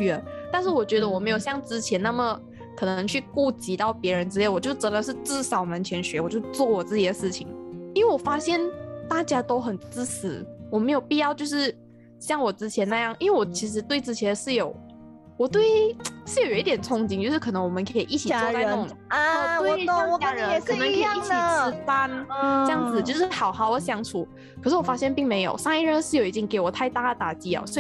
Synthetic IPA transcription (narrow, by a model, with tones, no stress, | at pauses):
t̪a˥˧nʂɻ̩˥˩wɔ˨˩t͡ɕɥɛ˧˥d̪ə˧wɔ˨˩me˧˥jo˨˩ʊɕjɑ˥˧˩ŋt͡sɻ̩˥t͡ɕʰjɛ˧˥na˥˩mə˨˩ | kʰɤ˨˩nɤ˧˦ŋt͡ɕʰy˥˧ku˥˩t͡ɕi˧˥t̪ɑ˥˩ʊpjɛ˧˥ɻə˧˥nt͡sɻ̩˥le˥˩ɪwɔ˨˩t͡ɕjo˥˩ʊʈ͡ʂə˧˥nd̪ə˨ʂɻ̩˥˧t͡sɹ̩˥˧sɑ˨˩ʊ˨mə˧˦nt͡ɕʰɥɛ˧˥nɕɥɛ˧˥wɔ˨˩t͡ɕjo˥˧ʊt͡swɔ˥˩wɔ˨˩t͡sɹ̩˥˧t͡ɕjɛ˥˩ə˩ʂɻ̩˥˩t͡ɕʰi˧˩˦ŋi˥nwe˥˩wɔ˨˩fa˥ɕjɛ˥˧nt̪a˥˩t͡ɕja˥t̪o˥ʊxə˨˩nt͡sɹ̩˥sɹ̩˨˦wɔ˨˩me˧˥ɪjo˨˩ʊpi˥˧jɑ˥˧ʊt͡ɕjo˥˧ʊʂɻ̩˥˩ | ɕjɑ˥˩ŋwɔ˨˩t͡sɻ̩˥t͡ɕʰjɛ˧˥na˥˧jɑ˥˩ŋʔi˥nwe˥˩wɔ˨˩t͡ɕʰi˧˥ʂ̬ɻ̩˧˥t̪we˥˧ɪt͡sɹ̩˥˩t͡ɕʰjɛ˧˥nʂɻ̩˥˩jo˨˩˦ʊ | wɔ˨˩t̪we˥˩ɪʂɻ̩˥˩jo˨˩jo˨˩˦i˥˩t̪jɛ˨˩nt͡sʰʊ˥ŋt͡ɕi˥ŋt͡ɕjo˥˧ʂɻ̩˥kʰɤ˨˩nɤ˧˦ŋwɔ˨˩mə˦kʰe˧˥i˨˩ʔi˥˩t͡ɕʰi˨˩t͡ɕa˧ɪ˧ʊ˥˧˨ŋ˧˨˩we˥˧˨ɔ˨kt͡ɕja˥ɻə˦ɛ˨˩k̩˥˨nə˧˦ŋʰ˧˥iɑ˨˥iŋ˥˩i˨ə˨t͡s̩˥fa˥nʈ͡ʂɤ˥˧jɑ˥˩ŋd͡zɹ̩˨˩t͡ɕjo˥˧ʊʂɻ̩˥˩xɑ˨˩ʊxɑ˨˥ʊə˧˥ɕjɑ˧˥ŋt͡sʰu˨˩˦ | kʰɤ˨˩ʂɻ̩˥˩wɔ˨˩fa˥ɕjɛ˥˧npi˥˩ŋme˧˥ɪjo̰˨˩ʊʂɑ˥ŋi˥˧ɻə˥˧nʂɻ̩˥˩jo˨˩ʊi˥t̪jɛ˧˥nke˧˥ɪwɔ˨˩t̪ʰa˥˧ɪt̪a˥˩ə˩t̪a˨˩t͡ɕi˥ɔ̰˨˩swɔ˧˥i˨˩